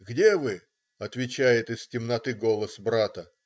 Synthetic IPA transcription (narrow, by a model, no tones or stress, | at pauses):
ɡdʲe̞vɨ | ɐt̪vʲɪt͡ɕæjɪt̪ɨstʲɪmnɐt̪ɨɡo̞lˠəsbɾat̪ə